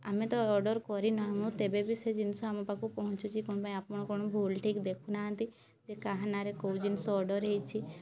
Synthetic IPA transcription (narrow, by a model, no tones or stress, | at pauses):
amet̪ɔɔɖɔɾkɔɾinɔɦamũt̪ebebised͡ʒinsɔamɔpakupɔɦɔ̃t͡ʃʰut͡ʃʰikoñɔpaĩapɔɳ̃ɔkɔñɔbʱulʈʰikd̪ekʰunaɦə̃nt̪i | d͡ʒekaɦanaɾekoud͡ʒinsɔɔɖɔɾɦejt͡ʃʰi